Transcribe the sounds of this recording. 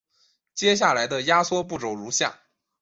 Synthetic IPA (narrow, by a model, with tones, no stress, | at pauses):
t͡ɕjɛ˥ɕ̬ja˥˩la˧˥ɪd̪ə˧ja˥swɔ˥pu˥˩ʈ͡ʂo˨˩ʊɻu˧˥ɕja̰˥˩ŋ